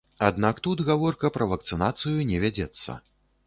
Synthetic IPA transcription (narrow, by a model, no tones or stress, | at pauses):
ad̪nakt̪ud̪ɣavɔrkɐpɾɐvɐk̚t̪sɨnat̪sɨjunʲɛvʲad͡zʲɛt̪sːɐ̰